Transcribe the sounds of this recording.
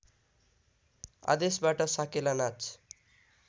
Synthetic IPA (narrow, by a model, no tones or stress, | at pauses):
a̰d̪esbaʈʌsakelanat͡s